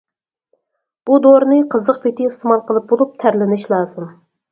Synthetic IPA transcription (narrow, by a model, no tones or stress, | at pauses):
b̥ud̪oɾnɨqʰəzəqpʰet̪ʰɪːst̪ʰɪmɑlˠqʰəlˠɨp̚bolˠup̚t̪ʰæɾlɪnɪʃlˠɑːzɨm